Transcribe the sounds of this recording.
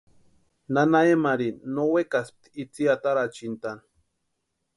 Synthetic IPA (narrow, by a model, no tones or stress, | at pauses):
nanaemaɾinowekasp̚t̪it͡siat̪aɾat͡ʃint̪an